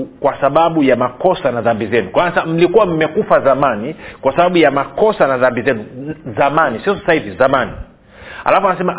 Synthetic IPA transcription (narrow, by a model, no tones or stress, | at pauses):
kwasaɓaɓujamakɔsanaðambizɛnukwaasɛm̩likuwam̩mɛkufazamanikwasaɓaɓujamakɔsanaðambizɛnuzamanisiɔsasahivizamani | a̰lafɔanas̬ɛma